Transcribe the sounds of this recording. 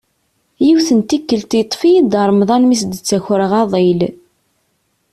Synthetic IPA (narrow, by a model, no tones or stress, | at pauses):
jiwθənt̪ikːəlt̪it̪ˤːfijid̪əɾˤmðˤɑnmisd̪ət͡sːæçɾəʁɑðˤel